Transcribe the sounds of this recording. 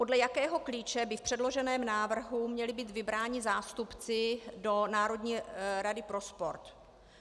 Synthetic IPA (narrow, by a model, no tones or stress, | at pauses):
po̞dlɛjakɛːɦo̞kliːt͡ʃɛbɪfpr̥ɛdlo̞ʒɛnɛːmnaːvr̩ɦumɲɛlɪbiːt̪vɪbɾaːɲɪzaːst̪upt͡sɪdo̞naːɾo̞dɲiːɾadɪpɾo̞spo̞ɾt̪